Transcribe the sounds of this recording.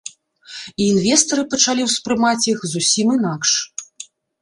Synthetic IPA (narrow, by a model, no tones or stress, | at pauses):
iːnvʲɛst̪ɐɾɨpɐt͡ʂalʲiwspɾɨmat͡sʲjixzusʲiminakʂ